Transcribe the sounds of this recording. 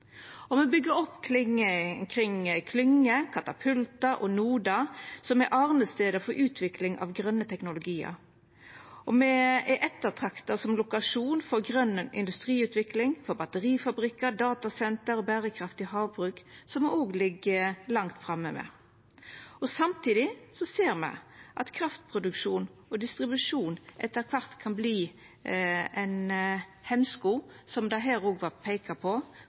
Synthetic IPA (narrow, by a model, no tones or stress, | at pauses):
ɔmɛbʏɡːəɾɔpːkʰlɪŋəkʰʁɪŋkʰlʏŋːəkʰɑt̪ɑpʰʉlt̪ɑʔɔnuːd̪ɑsɔmɛʔɑːʁnəst̪eːd̪əfɔɾʔʉːt̪ʰʋɪklɪŋʔɑ̰ːʋɡɾœnːət̪ʰɛknʊlʊɡiːə̰ɾ | ʔɔmɛɛʔɛt̪ːət̪ʰʁɑkt̪ɑsɔmlʊkɑʂuːnfɔɾɡʁœnːəʔɪ̰nd̪ʉst̪ʁiːʉːt̪ʋɪklɪŋfɔɾbɑt̪əɾiːfɑbɾɪkːəɾd̪ɑːt̪ɑsɛnt̪əɾɔbæːɾəkʰɾɑft̪ɪɦɑːʋbʁʉːksɔmoːɡlɪɡːəlɑŋt̪fɾɑmːəmɛ̰ | ɔsɑmt̪ʰiːd̪ɪsɔseːɾmæ̰ɪʔɑt̪kʰɾɑft̪pʰʁʊd̪ʉkʂuːnɔd̪ɪst̪ʁɪbʉʂuːnʔɛ̰t̪ːəɾkʰʋɑʁt̪kʰɑnbliː | ɛnhɛmskuː | sɔmd̪ɑɦæːɾoːɡʋɑɾpʰeɪkɑpʰɔ